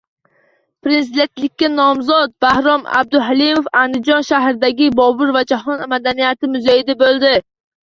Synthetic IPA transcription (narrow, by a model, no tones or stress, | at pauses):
pɾɪns̬id̪ent̪lɪkʲːanɒmzɒt̪̚bahɾɒma̰b̚d̪ʊɦalimofand̪ɪd͡ʒɒnʃaɦɾɪd̪aɡʲɪbɒbʊɾvad͡ʒaɦɒnmad̪anijat̪ɪmʊzajɪd̪abolˠd̪ɪ